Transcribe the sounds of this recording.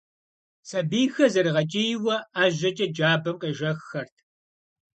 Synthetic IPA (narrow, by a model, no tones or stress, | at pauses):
sɐbiːjxɐzɐɾɨʁɐt͡ʃʼijwɐaːʒɐt͡ʃʼɐd͡ʒaːbɐmqeːʒɐxːɐrtʰ